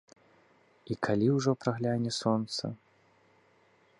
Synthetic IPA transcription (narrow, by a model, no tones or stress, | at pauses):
ikʰalʲiwʐɔpɾaɣlʲanʲɛsɔnt̪sɐ̰